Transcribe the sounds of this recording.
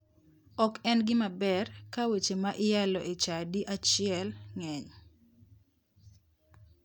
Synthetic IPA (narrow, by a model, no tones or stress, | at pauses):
ɔkɛnɡɪmabɛrkawet͡ʃemaʔɪjalɔʔɪt͡ʃadiʔat͡ʃɪɛlŋɛɲ